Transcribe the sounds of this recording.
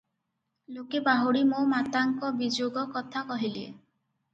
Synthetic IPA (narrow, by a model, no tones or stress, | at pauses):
lokebaɦoɽimomat̪aŋkɔbid͡ʒoɡɔkɔt̪ʰakɔɦilḛ